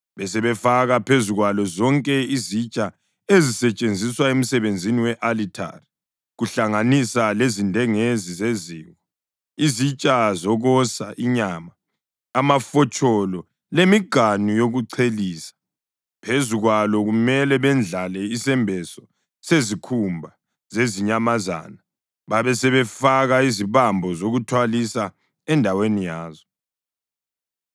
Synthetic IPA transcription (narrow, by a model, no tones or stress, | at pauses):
βɛsɛβɛfaɣapʰezuɣwalɔzɔŋkʼɛizit͡ʃʼa | ezisɛt͡ʃʼend͡zʱiswaem̩sɛβend͡zʱiniwɛʔalitʰa̰ri | ɣuɬaŋanisalezindʱɛŋezizeziːɣɔ | izit͡ʃʼazɔɣɔsaʔiɲaːmaː | mafɔt͡ʃʼɔlɔ | lemiɡ̥ʱanujoɣuǀʰeliːsḁ | pʰezuɣwalɔɣumɛlɛβɛnd͡ɮʱalɛisɛmbʱɛsɔ | sezikʰumbʱa | zeziɲamaza̰ːna | βaβɛsɛβɛfaɣaiziβambʱɔzoɣutʰwalisa | ɛndʱawenijaːzɔ